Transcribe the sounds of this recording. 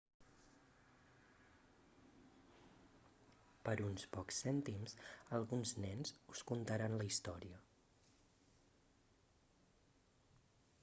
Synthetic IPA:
pəɾunspɔksɛnt̪imsəlˠɣunznɛnzuskunt̪əɾanləist̪ɔɾiə

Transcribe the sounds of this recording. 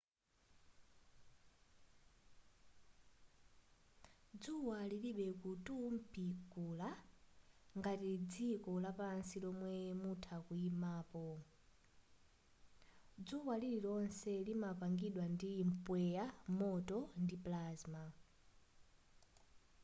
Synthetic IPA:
d͡zuwaliliɓɛkutum̩pʰikula | ŋɡatid͡zikɔlapansilɔmwɛmutʰakuimaːpɔ | d͡zuwalililɔnsɛlimapaŋɡiɗwandim̩pwɛjamɔtɔndiplaːzma

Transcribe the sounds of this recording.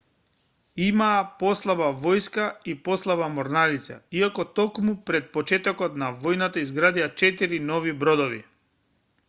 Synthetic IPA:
imaːpɔslˠabavɔjskaipɔslˠaβamɔɾnalit̪sa̰iakɔt̪ɔkmupɾɛt̪̚pɔt͡ʃɛt̪ɔkɔt̪navɔjnat̪aizɡɾad̪iat͡ʃɛt̪iɾinɔvibɾɔd̪ɔvḭ

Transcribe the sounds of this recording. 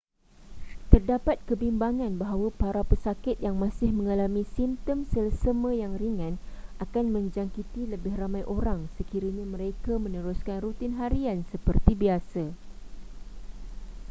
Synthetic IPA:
t̪ərdapat̪̚kəbimbaŋãnbaɦawapaɾapəsakɪt̪̚jaŋmãsɪhmə̃ŋalamĩsimt̪əmsələsəmə̃jaŋriŋãnakanmə̃ɲd͡ʒaŋkit̪iləbɪhramãjʔoɾaŋsəkiɾiɲamə̃ɾekamə̃nəɾuskanrut̪ɪnɦaɾiansəpərt̪ibiasa

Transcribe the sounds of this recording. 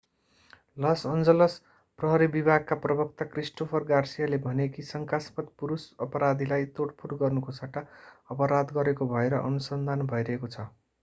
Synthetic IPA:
lʌsʌnd͡zʌlʌs | prʌɦʌɾibibʱaɡ̚kaprʌbʌk̚t̪akrisʈopʰʌrɡarsijalebʱʌnekisʌŋkaspʌt̪̚puɾusʌpʌɾad̪ʱilajt̪oʈpʰuɾɡʌrnukosaʈaʌpʌɾad̪ɡʌɾekobʱʌeɾʌʔʌnusʌnd̪ʱanbʱʌjɾʌɦekot͡sʰʌ

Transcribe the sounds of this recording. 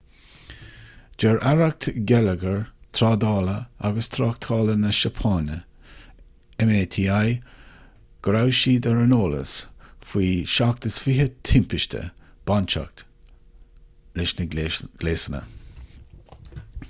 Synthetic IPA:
d͡ʒɛɹʔaɹak̚t̪ʰɡɛləɡəɹt̪ʰɾɑːd̪ɑːləa̰ɡəst̪ʰɾɑːk̚t̪ʰɑːlənəʃəpʰɑːnə | ɛmeːt̪ʰiːaj | ɡ̥ɾawʃiːd̪əɹənoːlə̰sfwiːʃak̚təsfiɦət̪ʰɪmpɪʃtʲʰə̰b̥ant͡ʃa̰k̚t̪ | lɪʃnəɡ̥leːsənə̰

